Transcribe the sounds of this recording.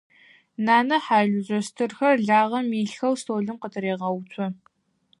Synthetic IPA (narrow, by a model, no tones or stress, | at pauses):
naːnɐħaːʒʷʊʑʼɐstʰɨrxɐrɮaːʁɐmiːɬxɐwstʰoːɮɨmqətʰɨɾeːʁɐwt͡ɕʷʰɔ